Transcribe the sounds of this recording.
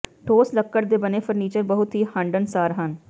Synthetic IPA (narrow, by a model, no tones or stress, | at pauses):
ʈʰoːsləkːəɽd̪eːbəneːpʰəɾniːt͡ʃəɾbəɦʊt̪ɦiːhə̃ɳɖənsaːɾɦən